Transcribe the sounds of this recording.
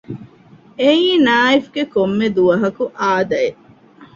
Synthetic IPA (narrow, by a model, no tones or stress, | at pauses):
eĩːnaːifɡekomːed̪uʋɐɦɐkuʔaːd̪ɐe